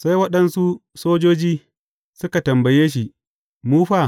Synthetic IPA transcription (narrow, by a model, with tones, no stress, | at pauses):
sa˦jwɐ˦ɗɐ˦nsu˦soː˦d͡ʒoː˦d͡ʒiː˦ | sʊ˦ka˨tɐ˨mbɐ˨jeː˦ʃ̬i˦ | muː˦ɸaː˦˨